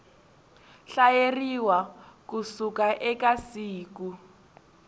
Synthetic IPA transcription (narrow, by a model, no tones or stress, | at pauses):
ɬajeriwakusukaʔɛkasiːku